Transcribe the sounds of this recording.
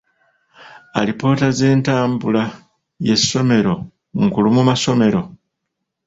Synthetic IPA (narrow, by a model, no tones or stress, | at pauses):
a̰lipo̞ːtaze̞ːntaːmbula | je̞sːo̞me̞ɾo̞ | ŋkulumumaso̞me̞ɾo̞